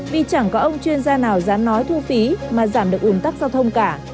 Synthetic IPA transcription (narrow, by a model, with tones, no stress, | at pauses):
vi˨˩t͡ɕa˧˩ŋkɔ˨˦ʔə˧wŋ͡mt͡ɕwi˧ənzaː˧naː˨˩wzaː˨˦nːɔ˨˦jt̪ʰu˧fi˨˦maː˨˩zaː˧˩mɗɨ˨˩əkʔu˨˦nt̪a˦˥k̚zaː˧wt̪ʰə˧wŋ͡mkaː˧˩